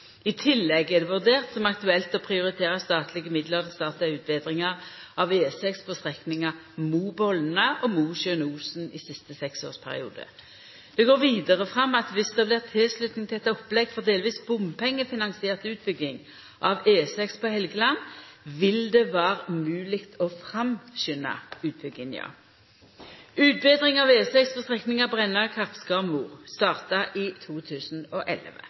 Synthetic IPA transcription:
ɪt̪ʰɪlːɛɡɛʁd̪ɛʋʉʁd̪eːʁt̪sɔmɑkt̪ʉɛlt̪ɔpʰʁɪʊɾɪt̪ʰeːʁəst̪ɑːt̪ʰlɪɡəmɪd̪ləʁd̪st̪ɑːt̪ʉːt̪̚bɛːd̪ʁɪŋəʁɑʋeːsɛkspʰɔst̪ʁɛknɪŋɑ | muːbɔln̩əʔɔmuːʃœnuːsnɪsɪst̪əsɛkso̰ːspʰæ̰ʁɪ̰ṵːd̪ə̰ | d̪̥ɛɡoːɾʋiːd̪əʁəfʁɑmːɑt̪ʋɪsd̪ɛblɪʁt̪ʰɪlslʉt̪nɪŋʰɪɛt̪ːɔpːlɛɡfɔʁd̪eːlʋiːsbʊmpʰɛŋːəfɪnɑŋsɪeːʁt̪ʉːt̪̚bʏɡɪŋ | ʔɑʋeːsɛkspʰɔhɛlɡəlɑnʋɪld̪ɛʋæːʁəmʉːlɪkt̪ʰɔfʁɑmɕʏnːɑ̰ʉːt̪̚b̥ʏɡɪnj̰ɑ̰ | ʉːt̪̚beːd̪ʁɪŋɑʋeːsɛksfɔst̪ʁɛknɪŋɑbʁɛnːɑkʰɑʁpskɑmuːʁst̪ɑːʁt̪ɑʔɪt̪ʰuːt̪ʰʉːsn̩ɔʔɛ̰lʋə̰

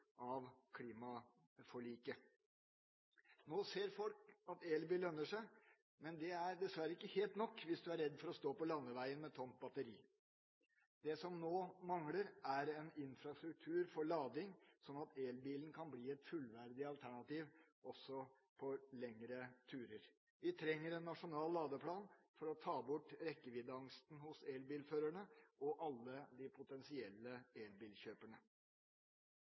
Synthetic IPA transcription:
ʔɑʋkʰliːmɑ | fɔɭiːkə | noːseːɾfɔlkɑt̪eːlbiːlœnːəʂæɪ | mɛnd̪ɛæɾd̪ɛsʋæɾəɪkːəheːlt̪nɔkːʋɪsd̪ʉæɾɛd̪ːfɔɾɔst̪oːpɔlɑnːəʋæɪənmɛt̪ʰɔnt̪̚bɑt̪əɾiː | d̪̥ɛsɔmnoːmɑŋləɾæɾɛnɪnfɾɑst̪ɾʉk̚t̪ʰʉːɾfɔɭɑːd̪ɪŋsɔnːɑt̪eːlbiːlən̩kʰɑnbliːɛt̪fʉlʋæɾd̪ɪɑlt̪ʰæɳɑt̪iːʋ | ɔsɔ | pʰɔlɛŋɾət̪ʰʉːɾəɾ | ʋɪt̪ʰɾɛŋːəɾɛnːɑʂʊnɑːlːɑːd̪əpʰlɑːnfɔɾɔt̪ʰɑːbʊʈːɾɛkːəʋɪd̪ɑŋst̪n̩hʊseːlbiːlføːɾæɳəɔʔɑlːəd̪ɪpʰʊt̪ɛnsɪɛlːəeːlbiːlçøːpəɳə

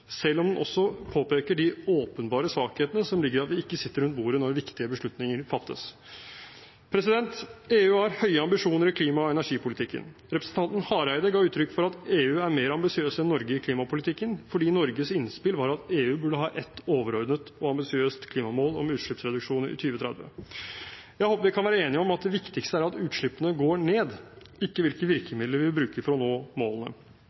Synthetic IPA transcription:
sɛlːɔmd̪ɛnʔɔ̰sːɔpʰoːpeːkəɖɪoːpənbɑːɾəsʋɑːkheːt̪ənəsɔmlɪɡːəɾɑt̪ʋɪɪkːəsɪt̪ːəɾʉnt̪̚buːɾənɔɾʋɪkt̪ɪəbəʂɭʉt̪nɪŋəɾfɑt̪ːə̰s | pʰɾɛsɪd̪ɛnt̪eːʉːhɑɾhœʏəɑmbɪʂuːnəɾɪkʰliːmɑɔɛnæʂiːpʊlɪt̪ʰɪkːə̰n | ɾɛpɾəsn̩t̪ʰɑnt̪n̩hɑːɾæɪd̪əɡɑːʉːt̪ʰɾʏkːfɔɾɑt̪eːʉːæɾmeːɾɑmbɪsɪøːsɛnːɔɾɡəɪkʰliːmɑpʊlɪt̪ʰɪkːənfɔɖiːnɔɾɡəsɪnspɪlʋɑɾɑt̪eːʉːbʉɖəɦɑːʔɛt̪ːoːʋəɾɔɾd̪nət̪ɔɑmbɪsɪøːst̪kʰliːmɑmoːlɔ̰mʉːt̪ʂɭʏpsɾɛd̪ʉkʂuːnəɾɪ̰t̪ʰyːʋət̪ʰɾɛ̰d̪ʋə̰ | jæɪhoːpːəʋɪkʰɑnʋæːɾəeːnɪəɔmɑt̪̚d̪ɛʋɪkt̪ɪkst̪əæɾɑt̪ʉːt̪ʂɭʏpːənəɡoːɳeːd̪ | ɪkːəʋɪlkət̪ʋɪɾkəmɪd̪ləɾʋɪlbɾʉːkəfɔɾɔnoːmoːlənə̰

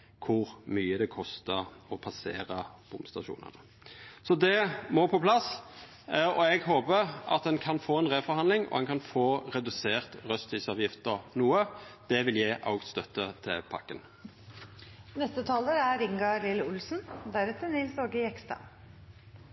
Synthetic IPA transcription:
kʰʊʁmyːəd̪ɛkʰɔst̪əʁɔpʰɑsḛːɾəb̥ʊmst̪ɑʃṵːnə̰nə | sɔd̪ɛmɔpʰɔpʰlɑs | ɔɛɡɦoːpəɾɑ̰t̪̚d̪ɛnkʰɑnfoːɛnʁeːfɔɾhɑnlɪŋɔ̰dɛnkʰɑnfoːɾɛd̪ʉseːʁt̪ʁœst̪ʋisɑːʋjɪft̪əʁnuːəd̪̥ɛʋɪljæɪʔɑ̰ʊɡst̪œt̪ːət̪ʰɪ̰lpʰɑ̰kːən | nɛst̪ət̪ʰɑːləɾæɾɪŋɡɑlɪləʊlsn̩d̪æɾɛt̪ːənɪlsoɡəɪɛkst̪ɑ̰

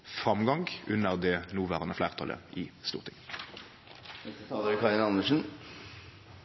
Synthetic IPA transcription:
fʁɑmɡɑŋɡʉnəʁd̪ɛnuːʋæːʁənəflæːʁt̪ʰɑlə̰ʔɪst̪ṵːʁt̪ʰɪŋ | ɛst̪əsɑːləɾəkʰɑɾɪnɑnəʂn̩

